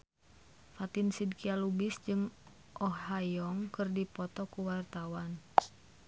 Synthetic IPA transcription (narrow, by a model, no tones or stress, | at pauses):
fat̪ɪnsid̚kialubɪsd͡ʒɨŋ | ʔɔɦajɔŋkɨrdipɔt̪ɔkuwart̪awan